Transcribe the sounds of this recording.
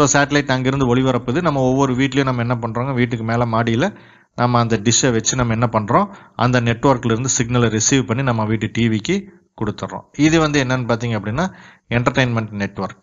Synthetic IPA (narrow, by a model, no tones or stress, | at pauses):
soːsaːʈɐlɐɪʈːɐŋɡɐɪɾɯnd̪ɯɔɭɪʋɐɾɐpːɯːðɯnɐmːɐɔʋːɔɾɯʋiːʈːɪlɐjʊ̃nɐmːɐɛnːɐpɐɳːɾoːŋɡɐʋiːʈ̬ːɯkːɯmeːlɐmaːɽijɪlɐ | nɐmːɐːnd̪ɐɖɪʃɐʋɛt͡ʃːɯnɐmːɐɛnːɐpɐɳːɾõːʔɐ̰nd̪ɐnɛʈːʋɐɾkːɪlɪɾɯnd̪ɯsɪɡnɐlɾɪsiːʋpɐɳːinɐmːɐʋiːʈːɯʈiːʋikːɯ | kɔɽɯt̪ːɐːõ̰ːɪðɯʋɐnd̪ɯɛnːɐnːɯpaːɾt̪̬iːŋɡɐpːɐɽɪnːaː | ɛɳʈɐɾʈeɪnmɛɳʈnɛʈːʋɐɾk̚